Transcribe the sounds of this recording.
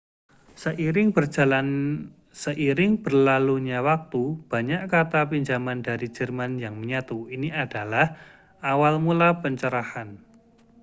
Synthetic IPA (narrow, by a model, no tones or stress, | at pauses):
səʔiɾɪŋbərd͡ʒ̥a̤lan | səʔiɾɪŋb̥ərlaluɲawak̚t̪ub̥a̤ɲaʔkat̪apiɲd͡ʒamandaɾi̥d͡ʒərmanjaŋməɲat̪uiniad̥alah | ʔawalmulapəɲt͡ʃəɾahan